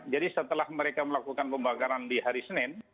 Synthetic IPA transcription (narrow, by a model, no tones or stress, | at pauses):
d͡ʒadisət̪əlahməɾekaməlakukanpəmbakaɾandiɦaɾisənɪn